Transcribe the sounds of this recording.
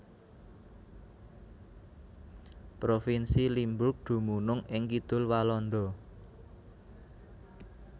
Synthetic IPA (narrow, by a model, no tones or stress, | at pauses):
pɾofinsilimbʊk̚ɖ̪̥ṳmunʊŋɪŋkid̪̥ʊ̤lwalɔnd̪ɔ